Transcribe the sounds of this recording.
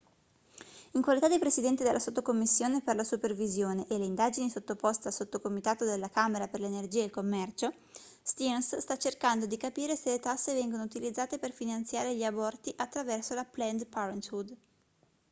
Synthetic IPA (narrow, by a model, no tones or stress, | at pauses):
iŋkwalit̪ad̪epɾesid̪ɛnt̪id̪elʔasot̪ːokomːisːjoːneperlasupervizjoːneʔelːeind̪aːd͡ʒinisot̪ːopost̪ealsot̪ːokomit̪aːt̪od̪elːakaːmeɾaperlenerd͡ʒiːailkomːɛrt͡ʃo | st̪ionsst̪at͡ʃerkand̪od̪ikapiːɾeselet̪asːevɛŋɡonout̪ilid̪zːaːt̪eperfinant̪sjaːɾeʎiabɔrt̪iʔat̪ːɾavɛrsolaplɛnd̪paɾent̪fud̪